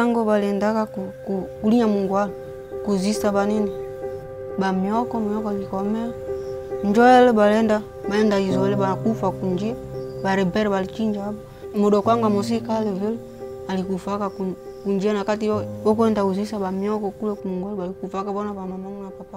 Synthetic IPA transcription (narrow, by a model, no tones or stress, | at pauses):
aŋɡɔbaliɛndakakukukuliɲamuŋɡwalɛ | kuzisabanini | bamiɔkɔmiɔkɔalikɔmɛand͡ʒɔɛlɛbalɛnda | baɛndaizɔɛlɛbakufakund͡ʒiabaɾɛbɛɾɛbalit͡ʃiɲd͡ʒaba | muɗɔkwaŋɡwamɔs̬ikaɛlɛvɛlɛ | alikufakaku | kund͡ʒianakat̬iɔbɔk̬uɛndakuzisabamiɔkɔkulɛkumuŋɡalɛbalikufakabɔnabamamamunapapa